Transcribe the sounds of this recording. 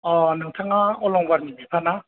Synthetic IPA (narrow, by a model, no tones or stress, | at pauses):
ɔnɯŋtʰaŋaɔlɔŋbaɾmibipʰana